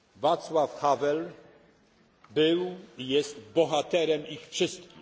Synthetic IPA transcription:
vat̪swafxavɛl | bɘwijɛst̪bɔxat̪ɛɾɛmixfʂɘst̪kʲi

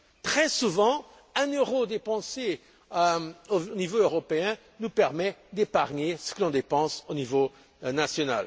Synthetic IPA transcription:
t̪χɛsuvɑ̃ | ɛ̃nøʁod̪epɑ̃se | onivoøʁɔpeɛ̃ | nupɛʁmɛd̪epaʁɲesə̥kəlɔ̃d̪epɑ̃sonivo | nasjɔna̰l

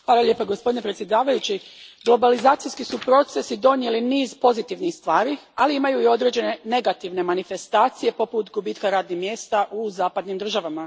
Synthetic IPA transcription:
xʋaːlˠalje̞ːpaɡo̞spod̪inepɾet̪sjed̪aːʋajut͡ɕiɡlˠo̞balizaːt̪sijskisupɾo̞t̪se̞sid̪o̞nje̞liniːzpo̞zit̪iʋnixst̪ʋaːɾialiimajuio̞d̪ɾe̞ːd͡ʑe̞ne̞ne̞ɡat̪iʋne̞manife̞st̪aːt̪sije̞po̞put̪ɡubiːt̪kaɾaːd̪nixmje̞ːst̪aʔuzaːpad̪nimd̪r̩ʒaʋama

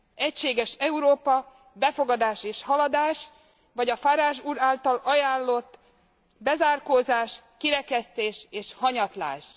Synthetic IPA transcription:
ɛcʃeːɡɛʃɛuɾoːpɒ | bɛfo̞ɡɒd̪aːʃeːʃhɒlɒd̪aːʃ | ʋɒɟɒfaːɾaːʃuːɾaːlt̪ɒlɒjaːllo̞t̪ː | bɛzaːrkoːzaːʃkiɾɛkɛst̪eːʃeːʃhɒɲɒt̪la̰ːʃ

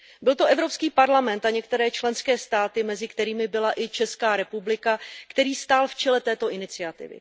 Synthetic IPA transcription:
bɪlt̪o̞ʔɛvɾo̞pskiːpaɾlamɛnt̪aɲɛkt̪ɛɾɛːt͡ʃlɛnskɛːst̪aːt̪ɪmɛzɪkt̪ɛɾiːmɪbɪlaʔɪt͡ʃɛskaːɾɛpublɪkakt̪ɛɾiːst̪aːlft͡ʃɛlɛt̪ɛːt̪o̞ʔɪnɪt͡sɪat̪ɪ̰vɪ̰

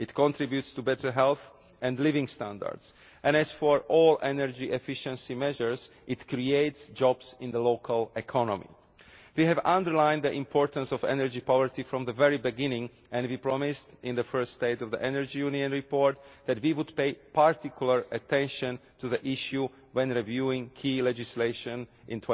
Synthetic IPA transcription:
ɪtkɔ̃ntɹibjutstubɛtʰə˞ɦɛlˠθ | ʔɛ̃ndlivɪ̃ŋstæ̃ndə̰ɹds | ʔɛ̃nɛz̥fɔɹʔɔlʔɛnəɹd͡ʒiʔɛfɪʃə̃nsimɛʒəɹzʔɪtkɹieɪtsd͡ʒɔbsɪ̃nðəlokʰəlɛkʰɔnɔ̰̃mḭ | wiɦɛvãndəɹlãɪ̃nd̪ðiʔɪ̃mpʰɔɹt̪ə̃nsɔvɛ̰nəɹd͡ʒipɔvəɹtifɹɔ̃mðəvɛɹibiɡɪ̃nɪ̃ŋ | ɛ̃nwipɹɔmɪstɪ̃nðəfɜ˞ststeɪtɔvðḭʔɛnəɹd͡ʒijuniə̃nɹipɔɹt̪̚ðætwiwud̪peɪpaɹt̪ikjulˠəɹɨt̪ɛ̃nʃə̃ntuðiʔiʃju | wɛ̃nɹivjuɪ̃ŋkʰilɛd͡ʒɪsleɪʃə̃nʔɪ̃ntʰwɛ̃

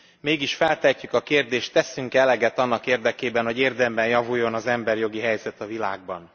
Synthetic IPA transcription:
meːɡiʃfɛlt̪ɛcːykɒkeːrd̪eːʃt̪ːɛsyŋkɛlɛɡɛt̪ɒnːɒkeːrd̪ɛkeːbɛnho̞ɟeːrd̪ɛmbɛnjɒvujːo̞nɒzɛmbɛrjo̞ɡiɦɛjzɛt̪ɒvilaːɡ̚bɒn

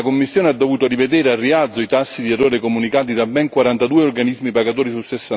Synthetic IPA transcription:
komːisːjoːnead̪ːovuːt̪orived̪ɛːɾearːiad̪zːoit̪asːid̪iɛrːoːɾekomunikaːt̪̬id̪abːɛŋkwaɾant̪ad̪uːeorɡanizmipaɡat̪oːɾisusesːa

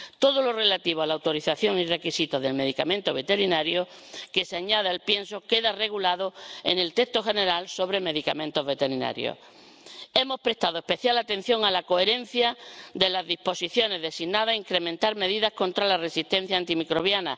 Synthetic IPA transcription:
t̪o̞ðo̞lore̞lat̪iβ̞oalawt̪o̞ɾiθaθjo̞ŋire̞kisit̪oðe̞lme̞ðikamẽnt̪oβ̞e̞t̪e̞ɾinaɾjo̞ | ke̞seaɲaðealpje̞nso̞ke̞ðare̞ɣulaðoḛne̞lt̪e̞st̪o̞xe̞ne̞ɾalso̞βɾe̞me̞ðika̰mẽnt̪o̞zβe̞t̪eɾina̰ɾjo̰ | e̞mo̞spɾe̞st̪aðoe̞hpe̞θjalat̪ẽ̞n̟θjo̞ŋalako̞e̞ɾe̞n̟θjad̪e̞lazðihpo̞siθjo̞ne̞zðe̞siɣnaðaiŋkɾe̞mẽ̞nt̪aɾme̞ðiðahkõ̞nt̪ɾalare̞sist̪e̞n̟θjant̪imikɾo̞β̞jana

